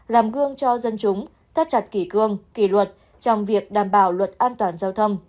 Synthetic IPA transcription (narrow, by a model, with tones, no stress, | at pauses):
laː˨˩mɣɨ˧əŋt͡ɕɔ˧zə˧nt͡ɕʊ˨˦ŋ͡m | t̪ʰa˦˥t̚t͡ɕa˨˩t̚ki˧˩kɨ˧˩əŋki˧˩lwə˨˩t̚ | t͡ɕɔ˧wŋ͡mvi˨˩ək̚ɗaː˨˩mɓaː˧˩wlwə˨˩t̚ʔaː˧nt̪waː˨˩nzaː˧wt̪ʰə˧wŋ͡m